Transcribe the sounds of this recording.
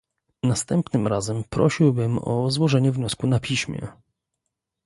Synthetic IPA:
nast̪ɛmpnɘmɾazɛmpɾɔ̰ɕiwbɘmɔ̰zwɔʐɛɲɛvɲɔskunapʲiɕmʲjɛ̰

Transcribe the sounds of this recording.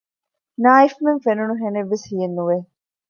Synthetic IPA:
naːifmeŋfenunuɦeneʋːeshijenːuʋe

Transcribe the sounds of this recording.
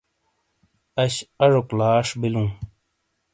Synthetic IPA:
ɐɕɐʐoklaːʂbilũː

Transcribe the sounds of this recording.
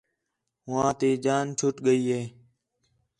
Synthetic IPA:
ɦʊãːt̪eːd͡ʒaːnt͡ʃʰʊʈɠəiːɦeː

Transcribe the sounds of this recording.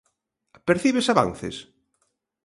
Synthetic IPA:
peɾθiβesaβa̰nθḛs

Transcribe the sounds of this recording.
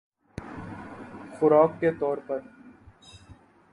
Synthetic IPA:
xʊɾaːkːet̪ɔːɾpɐɾ

